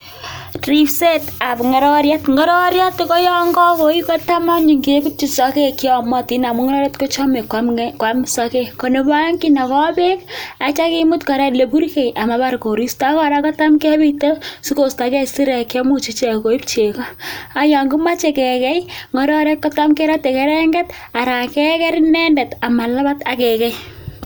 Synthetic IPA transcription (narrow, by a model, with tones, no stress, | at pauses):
tɾi˦pse˦ta˨pŋɔ˨ɾɔ˦ɾja˦tŋɡɔ˦ɾɔ˦ɾja˦tkɔ˦jɔ˦ŋɡɔ˦ko˨iko˦ta˦ma˦ɲi˨ŋki˨˦ku˦t͡ʃi˨sɔ˨ke˦ki˦ɔ˨mɔ˦ti˦na˨mu˦ŋɔ˦ɾɔ˦ɾa˦tko˦t͡ʃɔ˦me˨kwa˦mkwa˦msa˨ke˦ko˨ne˨ba˦ŋki˦na˨kɔ˦be˦ka˨t͡ʃa˦ki˦mu˦tkɔ˨ɾɛ˦le˨pu˦ɾkɛ˨jʔa˨ma˨pa˦rko˨ɾi˦sta˦kɔ˦ɾa˦kɔ˦ta˦mke˦bi˦to˦si˦ko˨sta˨kɛ˦si˦ɾɛ˨kjɔ˦mo˦t͡ʃi˨t͡ʃe˨ko˨i˦pt͡ʃe˨kɔ˦a˨ja˨ŋɡu˦ma˦t͡ʃe˨kɛ˨kɛ˦jŋɔ˨˦ɾɔ˦ɾɛ˦kːɔ˦ta˦mke˦ɾa˦te˨kɛ˦ɾɛ˦ŋɡɛ˦t | a˨ɾa˨kɛ˦kɛ˦ɾinɛ˦ndɛ˨ta˨ma˨la˦ba˦ta˦kɛ˨kɛ˦j